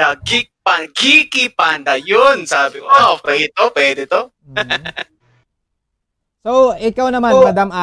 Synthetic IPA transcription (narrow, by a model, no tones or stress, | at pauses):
ɐɡɪpɐɡikɪpand̪ɐjonsaːbɪkopɛɡɪt̪opwɛːd̪ɪt̪o | sowɪkawnɐmanmɐd̪amʔa